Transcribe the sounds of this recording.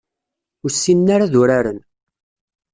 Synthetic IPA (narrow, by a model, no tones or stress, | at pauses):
ʊɾsːinːaɾaðʊɾaɾən